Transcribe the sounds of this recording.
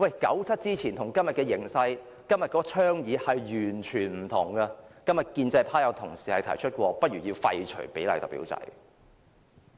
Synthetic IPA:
wɐ˨˩jkɐ̰˨˥wt͡sʰɐ˥t̚t͡siː˥t͡sʰiː˨˩nt̪ʰʊ˨˩ŋkɐ˥mjɐ˨t̚kɛː˧jɪ˨˩ŋsɐ˧j | kɐ˥mjɐ˨t̚kɔː˧˥t͡ʃʰœː˥ŋjiː˨˧hɐ˨jɥyː˨˩nt͡ʃʰyː˨˩nm̩˨˩t̪ʰʊ˨˩ŋɡɐ˧kɐ˥mjɐ˨˩t̚kiː˧nt͡sɐ˧jpʰaː˥jɐ˨˧wt̪ʰʊ˨˩ŋsi̥ː˨˩hɐ˨jt̪ʰɐ̰˨˩jt͡ʃʰɵ˥t̚kʷɔː˧pɐ˥t̚ɥyː˨˩ji˧wfɐ̰˧jt͡ʃʰɵ̰˨˩pe˨˥jlɐ̰˨jt̪ɔ̰˨˩pḭː˨˥wt͡sɐ̰˧j

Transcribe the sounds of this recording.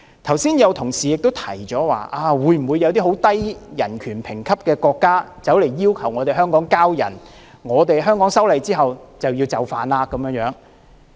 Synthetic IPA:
t̪ʰɐ˨˩wsiː˥njɐ˨˧wt̪ʰʊ˨˩ŋsiː˨˩jɪ˨k̚t̪o˥wt̪ʰɐ˨˩jt͡sɔː˨˥wa̰ː˨ʔaː˧wu˨˧jm̩˨˩wu˨˧jɐ˧wt̪iː˥ɦo˨˥wt̪ɐ˥jjɐ˨˩nkʰyː˨˩npʰɪ˨˩ŋkʰɐ˥p̚kɛː˧kɔː˧kːaː˥t͡sɐ˨˥wle˨˩jːiː˥wkʰɐ˨˩wŋɔː˨˧t̪e˨jɦœː˥ŋkɔː˨˥ŋkaː˥wjɐ̰˨˩n | ŋɔː˨˧t̪̬e˨jɦœː˥ŋkɔː˨˥ŋsɐ˥wlɐ˨˧jt͡siː˥ɦɐ˨wt͡sɐ˨wjiː˧wt͡sɐ˨˧wfaː˨nlaː˧kːɐ˨˥mjœː˧ŋjœː˨˥ŋ

